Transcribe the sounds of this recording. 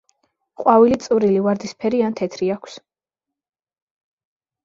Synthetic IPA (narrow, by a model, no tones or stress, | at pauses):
χʼwavilit̪sʼuɾilivaɾd̪ispʰɛɾiant̪ʰɛt̪ʰɾiakʰs